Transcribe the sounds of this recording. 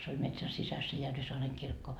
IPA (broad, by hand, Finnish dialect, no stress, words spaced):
se olʲ metsæn sisæs se jærʋisoɑreŋ kirkːo